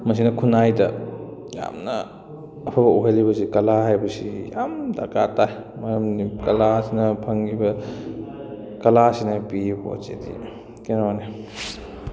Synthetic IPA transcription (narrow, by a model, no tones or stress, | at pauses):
mɐs̬inɐkʰunajdɐja̰mnɐː | pʰabɐuɦelibɐsikɐlahajbɐsija̰mdakataj | mɐɾɐmnikɐlasinɐpʰɐŋɡibɐ | kɐlasinapibo̰t͡ʃḛdḭ | kenoni